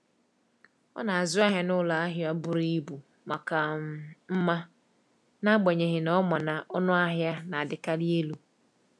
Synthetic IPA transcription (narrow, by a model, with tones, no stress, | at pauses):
ɔ̰˦na˨a˨zʊ˦a˦ɦja˦nʊ˦la˨a˦ɦja˦bʊ˨ɾi˦bu˨ | ma˨ka˨m˦m̩˦ma˦ | na˦ɡ͡be˨ɲe˨ɦɪ˨nɔ˦ma˨na˨ʔɔ˦nʊ˦a˦ɦja˦na˨a˨dɪ˨ka˦li˦e˦lu˦